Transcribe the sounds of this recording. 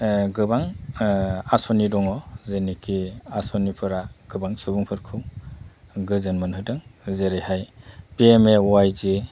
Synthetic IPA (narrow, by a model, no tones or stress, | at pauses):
ɡɯbaŋ | asɔnidɔŋɔzenikiasɔnipʰɯɾaɡ̥ɯbaŋsubuŋpʰɯɾkʰɯw | ɡɯzɯnmɯnɦɯdɯŋzeɾejhajpiemewajzi